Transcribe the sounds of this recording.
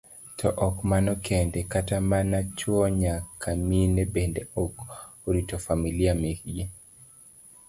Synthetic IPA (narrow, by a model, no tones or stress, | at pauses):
tʰɔʔɔkmanɔkʰɛndɛkatamanat͡ʃwɔɲakʰaminebendɛɔk | oɾitɔfamiliamekd͡ʒi